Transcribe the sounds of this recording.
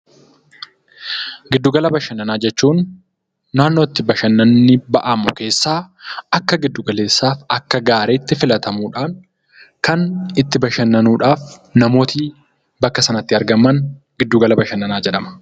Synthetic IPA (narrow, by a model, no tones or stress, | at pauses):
ɡɪd̪ːuːɡɐlɐbɐʃɐnːɐnaːd͡ʒɛt͡ʃːuːnː | aːnːo̞ːt̪ːɪbɐʃɐnːɐnːɪbɐʔɐmʊke̞ːsːaːɐkːɐɡɪd̪ːʊɡɐle̞ːsːaːfɐkːɐɡaːɾeːt̪ːɪfɪlɐt̪ʰɐmuːᶑaːŋ | kɐnɪt̪ːɪbɐʃɐnːɐnuːᶑaːfnɐmo̞ːt̪ʰiː | bɐkːɐsɐnɐt̪ːɪɐɾɡɐmːɐnɡɪd̪ːuɡɐlɐbɐʃɐnːɐnaːd͡ʒɛᶑɐmɐ̥